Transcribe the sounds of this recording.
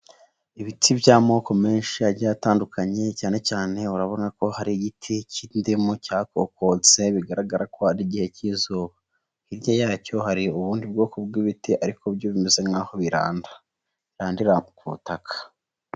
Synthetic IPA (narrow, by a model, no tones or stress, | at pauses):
iβitʰibjaːmo̞ːko̞me̞ːnʃiaɾɟajataːndukʰaɲe̞caːne̞caːne̞uɾaβo̞nako̞haɾiɟitʰicʰindimocaːkoko̞t͡se̞βiɡaɾaɡaɾako̞haɾiɟihe̞ciːzoːβa | iɾjajaːco̞ɦaɾiuβuːndibɡo̞ːkobɡiβitiʔaɾikʰobjoβimeze̞ŋɡaho̞βiɾa̰ːnda | iɾaːndiɾakuβṵtakʰḁ